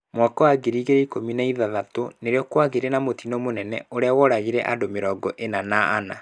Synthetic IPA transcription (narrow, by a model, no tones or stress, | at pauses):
mwɔkɔwaɡeɾiːɣeɾɛikominaiðaðatoneɾeɔkwaɣeɾenamotinɔmonɛnɛ̰oɾeawɔɾaɣiɾɛʔadomeɾɔɡɔʔenanaːna